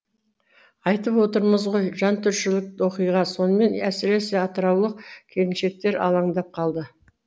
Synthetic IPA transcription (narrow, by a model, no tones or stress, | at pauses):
ɑjt̪əpwo̞t̪əɾməzʁo̞jʒɑnt̪ʰʏɾʃɪlɪk̚wo̞qijʁɑso̞nəme̞næsɪɾe̞sɪɑt̪əɾɑwlˠəq̚kʲʰe̞ɾɪnʃe̞k̚t̪e̞ɾɑ̰lˠɑɴd̪ɑp̚qʰɑlˠd̪ə